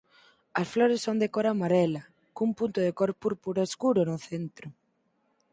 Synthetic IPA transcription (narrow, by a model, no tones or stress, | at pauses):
ɐsfloɾesːond̪ekoɾamaɾɛlɐ | kumpunt̪ʊðekoɾpuɾpuɾaeskuɾʊnʊθent̪ɾʊ